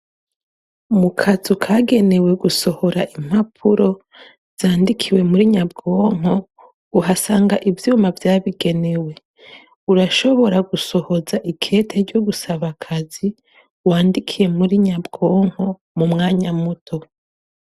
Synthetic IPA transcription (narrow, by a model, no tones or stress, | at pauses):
mukʰazukʰaɡe̞ne̞we̞ɡuso̞ho̞ɾaʔim̥hapʰuɾo̞ | z̥aːndikʰiwe̞muɾiɲabɡo̞ːŋ̥o̞ | uɦasaːŋɡaʔivjuːmavjaːβiɡe̞ne̞we̞ | uɾaʃo̞βo̞ɾaɡuso̞ho̞zaʔikʰe̞ːtʰe̞ɾɟo̞ɡusaβakʰazi | waːndikʰije̞muɾiɲabɡo̞ːŋ̥o̞ | mumŋaːɲamutʰo̞